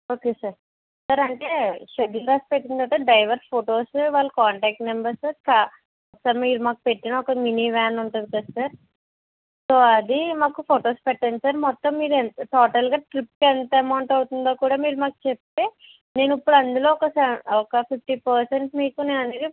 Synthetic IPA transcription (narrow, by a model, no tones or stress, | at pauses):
o̞ːke̞ːsɐɾ | sɐːɾɐɳʈeːʃed̪iɾaːspeʈːind̪ɐʈɐɖɐjʋɐɾpʰoːʈo̞ːsʋaːɭːɐkaːɳʈaːk̚ʈmembɐɾsɐɾka | ɔksɐɾmiːɾumaːku̥pe̞ʈːinɐɔkɐminiʋaːnuɳʈud̪ikɐd̪sɐɾ | soːɐd̪imaːkupʰoːʈo̞ːspɛʈːɐnd̪isaːɾmɔt̪ːɐmːiːɾuent̪ɔːʈɐlɡaːʈɾip̚kɛnt̪ɐɐmɐwɳʈɐwt̪und̪oːkuːɽaːmiːɾumaːku̥t͡ʃep̚t̪e̞ː | ne̞ːnipːuɽɐnd̪ulo̞ːɔkɐsɐɔkɐpʰipʰʈiːpɐɾseɳʈmiːkuneːnɐneːd̪i